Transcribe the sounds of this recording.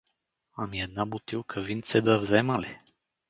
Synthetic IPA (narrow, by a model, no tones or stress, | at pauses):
amjɛd̪nabut̪iwkʰəvint̪sɛd̪əvzɛmalɛ